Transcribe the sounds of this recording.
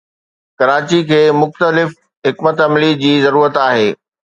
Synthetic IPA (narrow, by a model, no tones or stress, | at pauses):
kɐɾaːt͡ɕikʰeːmʊxt̪əlɪf | ɦɪkmət̪ɐmlid͡ʑiːzɐɾuːɾət̪aːɦeː